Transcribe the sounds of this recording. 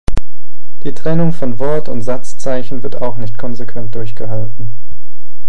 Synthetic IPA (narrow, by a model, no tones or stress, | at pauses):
d̥iːtʁ̥ɛnʊŋfɔnvɔɐtʰʊntz̥at͡st͡saɪçn̩vɪɐtaʊxnɪçtkʰɔnzekv̥ɛnt̚d̥ʊɐçɡ̥əɦaltn̩